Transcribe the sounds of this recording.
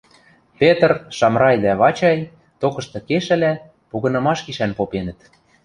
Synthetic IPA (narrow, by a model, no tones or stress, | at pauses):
pet̪ərʃɑmɾɑjd̪æβɑt͡ɕɑj | t̪okɤ̆ʃt̪ɤ̆keʃæ̆læ | puɣɤ̆nɤ̆mɑʃkiʃænpopenə̆t̪